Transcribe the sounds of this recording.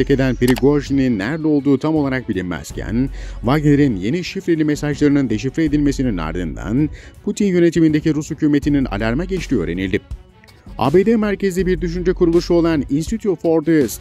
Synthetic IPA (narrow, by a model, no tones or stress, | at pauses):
ece̞d̪ænpiɾiɡoʒininːæɾlɛo̞lˠd̪uːt̪ʰamo̞lˠaɾak̚bilʲimmæ̰z̥cʰæ̰nvaɡ̪eɾinje̞niʃifɾe̞lʲimesaʒlˠaɾɯnɯnd̪eʃ̬ifɾeːd̪ilʲme̞sinina̰ɾd̪ɯ̰nd̪a̰npʰut̪ʰinjø̞ne̞t̪ʰimind̪e̞ciɾushycuːme̞t̪ʰinina̰lʲaɾmaɟet͡ʃt̪iø̞̰ɾenḭlʲd̪i | a̰ːbeːd̪emæɾce̞zd̪ɛbiɾd̪yʃ̬ynd͡ʒɛkuɾulˠuʃuo̞lˠaninst̪it̪ʰjot̪fo̞ɾd̪ɯs